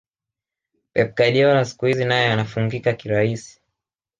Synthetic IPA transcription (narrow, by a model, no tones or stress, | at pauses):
pɛp̚kaɗiɔnasi̥kuhizinajɔanafuŋɡikakiɾaisi̥